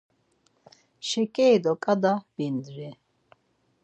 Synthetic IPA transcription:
ʃɛkʼɛːd̪ɔkʼad̪abind̪ɾɛ

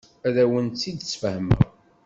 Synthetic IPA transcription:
æðæwənt̪t͡sːid̪sfəhmə̰ɾ

